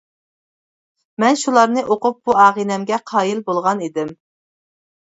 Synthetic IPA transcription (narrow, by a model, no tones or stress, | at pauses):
mɛnʃulˠɑɾnɨʔoqʊp̚b̥uɑːʁinɛmɡʲɛqʰɑːjilbolˠʁɑnid̪ɪm